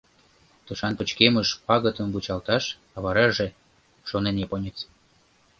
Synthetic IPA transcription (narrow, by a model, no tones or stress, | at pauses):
t̪uʃɑnpət͡ɕkeməʃpɑɣət̪əmbut͡ɕɑlt̪ɑʃ | ɑβɑɾɑʒe | ʃoneneponʲet͡s